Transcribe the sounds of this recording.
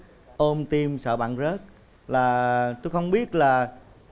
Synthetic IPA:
ʔo˧mt̪i˧msə̰ː˧˩ɓa̰ː˧˨nzəː˦˥t̚ | laː˨˩t̪o˧jxə˧wŋ͡mɓi˦˥ət̚laː˨˩

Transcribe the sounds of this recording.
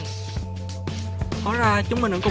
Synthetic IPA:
kɔ˧˥zaː˧˩t͡ɕʊ˨˦ŋ͡mmï̟˨˩ʔə̰˧˥˦kʊ˨

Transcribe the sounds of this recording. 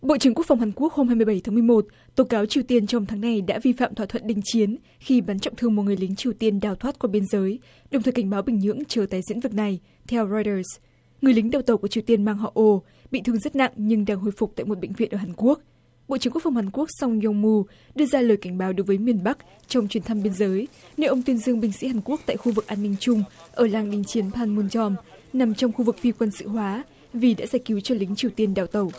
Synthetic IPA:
ɓo̰˧˨t͡ɕɨ˧˩əŋku˦˥əkfwŋ͡mɦaː˨˩nku˦˥ək̚ho˧mhaː˧jmɨ˧əjɓə˧˩jt̪ʰːm˧əjmo˨˩t̚ | t̪o˨˦kaː˨˦wt͡ɕi˨əwt̪i˧ənt͡ɕɔ˧wŋ͡mt̪ʰaː˨˦ŋna˧jɗa̰ː˧˥vi˧fa̰ː˧˨mt̪ʰwaː˧˨t̪ʰwə̰˧˨nɗï˧˩ŋ̟t͡ɕi˨˦ən | xi˧ɓa˨˦nt͡ɕɔ̰˧˨wŋ͡mt̪ʰɨ˧əŋo˨˩t̚ŋɨ˨˩ə˩jli˨˦ŋ̟t͡ɕi˨˩əwt̪i˧ənɗaː˨˩wt̪ʰwaː˦˥t̚kwaː˧˩ɓi˧ənzəː˨˦j | ɗə˨˩wŋ͡mt̪ʰəː˨˩ka˧˩ŋ̟ɓa˨˦wɓï˨˩ŋ̟ɲɨ̰˧˥əŋt͡ɕəː˨˩t̪aː˨˩jzḭ˧˥nvɨ˨˩k̚na˨˩j | t̪ʰɛ˧wzɔ˧jtəː˧˩s | ŋɨ˨˩əjlï˨˦ŋ̟ɗaː˨˧˩wt̪ə˨˩wku˧˩ət͡ɕi˨˩ət̪i˧ənmaː˧ŋɦɔ̰˧˨ʔo˧ | ɓḭ˧˨t̪ʰɨ˧əŋzə˦˥t̚na̰˧˨ŋɲɨ˧ŋɗaː˧ŋɦo̰˧˨jfʊ˨˩k͡p̚t̪a̰ː˧˨jmo˨˩t̚ɓḛ˧˨ŋ̟vḭ˧˨ənʔəː˧˩ɦaː˨˩nku˦˥ək̚ | ɓo̰˧˨t͡ɕi˨˦ŋku˦˥kfa˧˩whaː˨˩ku˦˥ək̚sa˧wŋ͡mɲ˧ŋ͡mmu˧ | ɗɨ˧əzaː˧ləː˨˩jka˧˩ŋ̟ɓaː˨˦wɗo˨˦jvəː˨˦jmi˨˩ənɓa˦˥k̚ | t͡ɕɔ˧wŋ͡mt͡ɕwi˨˦ənt̪ʰa˧mɓi˧ənzəː˨˦jne˧wʔə˧wŋ͡mt̪wi˧ənzɨ˧əŋɓï˨˩ŋ̟sḭ˧˥haː˨˩nku˦˥ək̚t̪a̰ː˧˨jxu˧vɨ˨˩k̚ʔaː˧nːï˧ŋ̟t͡ɕʊ˧ŋ͡mʔəː˧˩laː˧˩ŋɗï˨˦ŋ̟t͡ɕi˨˦ənpʰaː˧nmu˧nt͡ɕɔ˧m | na˨˩mt͡ɕɔ˧wŋ͡mxu˧vɨ˨˩k̚fi˧kwə˧nsɨ̰˧˨ɦwaː˨˦ | vi˨˩ɗa̰ː˧˥zaː˧˩jki˨˦wt͡ɕɔ˧lï˨˦ŋ̟t͡ɕi˨˩əwt̪i˧ənɗa̰ː˧˩wt̪ə˨˩w

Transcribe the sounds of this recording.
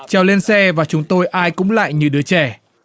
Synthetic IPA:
t͡ɕɛː˨˩wle˧nsɛ˧vaː˨˩t͡ɕʊ˨˦ŋ͡mt̪o˧jʔaː˧jkʊ̰˧˥ŋ͡mla̰ː˧˨jɲɨ˧ɗɨ˨˦ət͡ɕɛ˧˩

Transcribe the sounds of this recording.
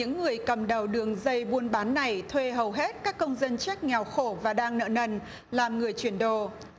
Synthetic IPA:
ɨ̰˧˥ŋːɨ˨˩əjkə˨˩mɗə˨˩wɗɨ˨˩əŋzə˧jɓu˧ənɓaː˨˦nːa˨˩jt̪ʰwe˧ɦə˨˩wɦe˦˥t̚kaː˦˥kːə˧wŋ͡mzə˧nt͡ɕa˦˥k̚ŋɛ˨˩wxo˧˩vaː˨˩ɗaː˧ŋnə̰ː˧˨nə˧n | laː˨˩mŋɨ˨˩əjt͡ɕwi˧˩ənɗo˧˩

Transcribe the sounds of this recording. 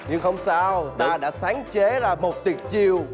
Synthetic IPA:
ɲɨ˧ŋhə˧wŋ͡msaː˧wɗ̪aː˧ɗa̰ː˧˥saː˨˦ŋt͡ɕe˨˦zaː˨˧˩mo˨˩t̚t̪i˨˩ət̚t͡ɕi˧əw

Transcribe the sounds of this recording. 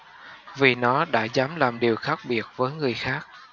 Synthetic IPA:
vi˨˩nɔ˨˦ɗa̰ː˧˥zaː˨˦mlaː˨˩mɗi˨˩əwxaː˦˥k̚ɓi˨˩ət̚vəː˨˦jŋɨ˨˩əjxaː˦˥k̚

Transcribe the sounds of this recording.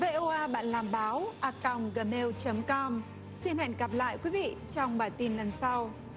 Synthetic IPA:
ve˧ʔo˧ʔaː˧ɓa̰ː˧˨nlaː˨˩mɓaː˨˦wʔaː˧ka˨˧˩wŋ͡mɣəː˨˩me˧wt͡ɕə˨˦mkɔ˧m | si˧nhɛ̰˧˨jŋɣa˨˩p̚la̰ː˧˨jkwi˨˦vḭ˧˨t͡ɕɔ˧wŋ͡mɓaː˧˩t̪i˧˩nlə˨˩nsa˧w

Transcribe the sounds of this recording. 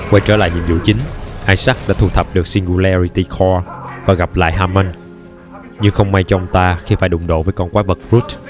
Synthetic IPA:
kwa˧jt͡ɕəː˧˩la̰ː˧˨jɲḭ˧˨əmzṵ˧˨t͡ɕï˨˦ŋ̟ʔaː˧jsa˦˥k̚ɗa̰ː˧˥t̪ʰu˧˩t̪ʰə˨˩p̚ɗɨ˨˩ək̚si˧ŋɣu˧la˧zi˧t̪i˧xʰɔ˧vaː˨˩ɣa˨˩p̚la̰ː˧˨jɦaː˧ma˧n | ɲɨ˧ŋxə˧wŋ͡mma˧jt͡ɕɔ˧ʔə˧wŋ͡mt̪aː˧xi˧faː˧˩jɗʊ̰˧˨ŋ͡mɗo̰˧˨vəː˨˦jkɔ˧nkwaː˨˦və˨˩t̚ɹu˦˥t̚

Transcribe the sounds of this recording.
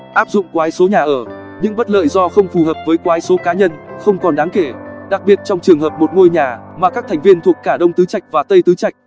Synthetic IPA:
ʔaː˦˥p̚zʊ̰˧˨ŋ͡mkwaː˨˦jso˨˦ɲaː˨˩ʔəː˧˩ | ɲɨ̰˧˥ŋɓə˦˥t̚lə̰ː˧˨jzɔ˧xə˧wŋ͡mfu˨˩həː˨˩p̚vəː˨˦jkwaː˨˦jso˨˦kaː˨˦ɲə˧nxə˧wŋ͡mkɔ˨˩nɗaː˨˦ŋke˧˩ɗa˨˩k̚ɓi˨˩ət̚t͡ɕɔ˧wŋ͡mt͡ɕɨ˨˩əŋhəː˨˩p̚mo˨˩t̚ŋu˧əjɲaː˨˩maː˨˩kaː˦˥k̚t̪ʰɛ˨˩jŋ̟vi˧ənt̪ʰu˨˩əkːaː˧˩ɗə˧wŋ͡mt̪ɨ˨˦t͡ɕa˨˩jk̚vaː˨˩t̪ə˧jt̪ɨ˨˦t͡ɕa˨˩jk̚

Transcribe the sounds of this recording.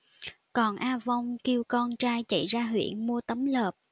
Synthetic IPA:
kɔ˨˩nʔaː˧va˧wŋ͡mki˧əwkɔ˧nt͡ɕaː˧jt͡ɕə̰˧˩˨jzaː˧ɦwḭ˧˩˨ənmu˧ət̪ə˨˦mləː˨˩p̚

